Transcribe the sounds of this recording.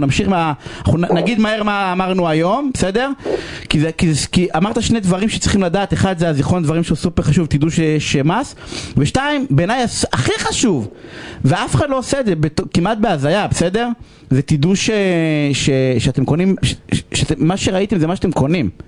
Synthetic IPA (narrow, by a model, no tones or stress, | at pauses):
namʃiχmaaχunaɡid̪maheʁmaːmaʁnuajo̞mbesed̪e̞ʁkizekizkiʔamaʁt̪aʃnejd̪vaʁimʃe̥t͡sʁiχimlad̪aːt̪eχad̪zeaziχo̞nd̪vaʁimʃeusupeʁχaʃuvt̪id̪uʃejɛʃemasveʃtaimbenajasaχiχaʃuvveafeχadlo̞osed̪zebet̪okimʔat̪̚beazajabese̞d̪e̞ʁ | zet̪id̪uʃeʃeʃeat̪emko̞nimʃʃet̪eːaʃeʁait̪emzemaʃat̪emkonim